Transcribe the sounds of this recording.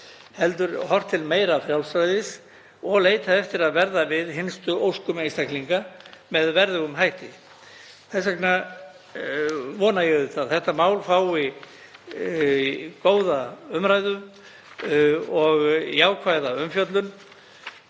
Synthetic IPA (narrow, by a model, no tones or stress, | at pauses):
hɛlt̪̬ʏɾhɔr̥t̪ʰɪlmeːjɾafɾjawlsɾajðɪs | ɔɣleːjt̪ʰaɛft̪ɪɾaðvɛɾðavɪðɦɪnst̪ʏʔowskʏmejst̪akliŋkamɛðvɛɾðʏɣʏmɦajht̪ɪ | θɛs̬akna | vɔːnajɛðʏθaðθɛht̪amaːwlfaːwi | koːwðaʏmɾaːjðʏm | ɔɣḭaːwkʰvajðaʏmfjœt̪lʏn